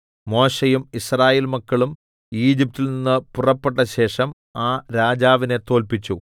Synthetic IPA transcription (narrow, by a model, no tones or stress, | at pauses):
mo̞ːɕejumisraːjeːlmɐkːɐɭum | iːd͡ʑip̚tːilninːɨpurɐpːe̞ʈːɐɕe̞ːʂɐm | aːɾaːd͡ʑaːʋine̞t̪o̞ːlpit͡ɕːu